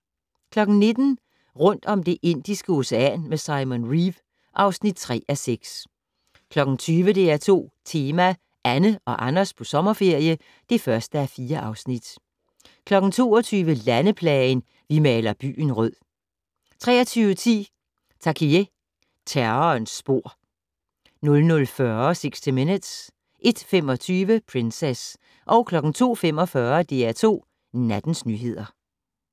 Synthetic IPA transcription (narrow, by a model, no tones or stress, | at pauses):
kʰlɒ̽ɡ̥n̩ne̝d̥n̩ | ʁɔ̽n̰d̥ɒ̽md̥e̝ʔe̝n̰d̥isɡ̥əo̝seæ̰nmesɑ̈ɪmonʁiʋ | ʔɑ̈ʊsnid̥̚t͡sʰʁɛ̰ːʔæseɡ̥s | kʰlɒ̽ɡ̥n̩t͡sʰyːʋəd̥e̝æɐt͡sʰo̝̰ːt͡sʰe̝ːmæ | ʔænəɒ̽ʔɑnɐspʰɒ̽sɒ̽mɐfe̝ɐ̰jə | d̥e̝fɶɐsd̥əæɐfiːɐʔɑ̈ʊsnid̥ | kʰlɒ̽ɡ̥n̩t͡sʰo̝̰ːɒt͡sʰyːʋəlænəpʰlɛn | ʋimɛːlɐb̥y̰ːn̩ʁœð̰ˠ | t͡sʰʁɛ̰ːɐt͡sʰyːʋət͡sʰḭː | t͡sʰɑ̈kʰie | t͡sʰæɐnsb̥o̝ɐ̰ | nɔ̽lnɔ̽lfɶɐseɡ̥sd̥ʰime̝nəd̥s | ʔe̝d̥fem̰ɒ̽t͡sʰyːʋəpʰʁenses | ʔɒ̽ʊkʰlɒ̽ɡ̥n̩t͡sʰo̝̰ːfem̰ɒ̽fɶːɐd̥e̝æt͡sʰo̝̰ː | næd̥n̩snyːɦe̝ð̞̰ˠɐ